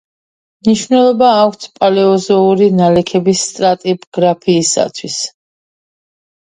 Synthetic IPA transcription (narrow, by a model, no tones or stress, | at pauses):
mniʃvnɛlˠɔbaːkʰt̪sʰpʼalɛɔzɔuɾinalɛkʰɛbisːt̪ʼɾat̪ʼibɡ̥ɾapʰiːsa̰t̪ʰwis